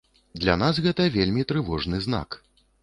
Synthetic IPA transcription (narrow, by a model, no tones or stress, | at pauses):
d̪lʲanas̬ɣɛt̪ɐvʲelʲmʲit̪ɾɨvɔʐnɨzn̪a̰k